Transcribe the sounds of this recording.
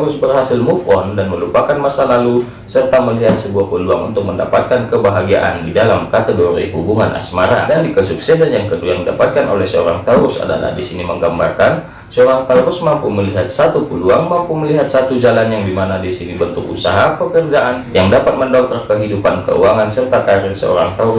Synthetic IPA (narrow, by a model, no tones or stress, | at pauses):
ɾʊsbərɦasɪlmufɔndanməlupakanmasalalu | sərt̪aməliɦat̪səbuahpəluaŋṵnt̪ʊk̚mənda̰pat̪̚kankəbaɦaɡia̰ʔa̰ndidalamkat̪əɡoɾḭɦubuŋanʔa̰smaɾa̰dandikəsuksɛs̬anjaŋkədujaŋdidapat̪̚kano̰lɛhsəoɾaŋt̪aɾʊsa̰da̰la̰hdisiniməŋɡambarkan | səoɾaŋt̪auɾʊsmampuməliɦat̪̚sat̪upuluaŋmampuməliɦat̪̚sat̪ud͡ʒalanjaŋdimanadisinibənt̪ʊkṵsa̰ɦapəkərd͡ʒaʔanjaŋdapat̪̚məndot̪ɾakəɦidupankə̰ṵaŋansərt̪akaɾɪrsə̰o̰ɾaŋt̪a